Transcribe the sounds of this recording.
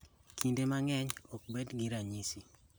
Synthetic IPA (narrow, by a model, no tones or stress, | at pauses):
kindemaŋɛɲɔk̚bedɡiɾaɲisi